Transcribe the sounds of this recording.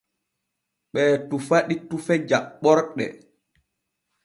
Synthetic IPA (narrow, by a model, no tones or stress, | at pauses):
ɓɛːtufaɗitufɛd͡ʒaɓːɔɾɗɛ̰